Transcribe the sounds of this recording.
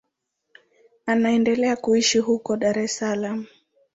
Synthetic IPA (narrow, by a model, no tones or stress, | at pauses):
anaɛndɛlɛakuiʃiɦukɔɗaɾɛsalam̩